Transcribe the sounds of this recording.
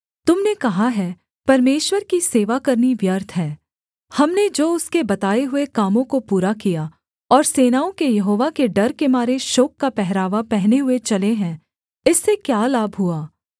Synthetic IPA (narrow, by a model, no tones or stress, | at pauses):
t̪ʊmnekɐɦaɦɛː | pɐɾmeːʃwəɾkiseːʋakɐɾniʋjɐɾt̪ʰɦɛː | hɐmned͡ʒoːʊskebɐt̪aːeɦʊekaːmõkopuːɾakija | ɔːɾseːnaːõkejɐɦoːʋakeɖɐɾkemaːɾeʃoːkːapɛɦɾaːʋapɛɦneɦʊet͡ʃɐleɦɛ̃ | ɪsːekjaːlaːbʱɦʊaː